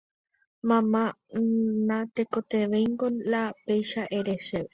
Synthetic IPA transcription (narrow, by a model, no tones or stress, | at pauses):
mãmã | nãt̪ekot̪eʋejŋɡolapejʃaʔeɾeʃeʋe